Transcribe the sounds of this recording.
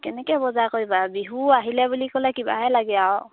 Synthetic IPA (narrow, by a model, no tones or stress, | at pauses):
kɛnɛkɛbɔzakojbabiɦuaɦilɛbulikɔlɛkiba̰ɦɛlaɡɛaw